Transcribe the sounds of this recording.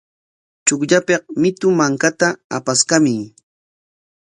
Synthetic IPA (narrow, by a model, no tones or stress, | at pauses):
t͡ʃʊkʎapeq̚mɪt̪ʊmaŋkat̪aa̰paskamɪ